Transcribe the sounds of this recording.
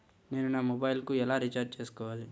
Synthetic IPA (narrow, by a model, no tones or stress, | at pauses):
ne̞ːnunaːmɔbajlkuːɛlaːɾit͡ʃaːɾd͡ʒt͡ʃeːsu̥kɔːʋaːli